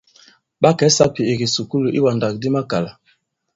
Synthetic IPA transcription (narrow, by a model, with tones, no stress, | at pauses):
ɓa˦kɛ˨˦sa˦pi˨e˨ɡi˨su˨ku˦lu˨ʔi˦wa˨nda˨k̚di˦ma˦ka˨la˨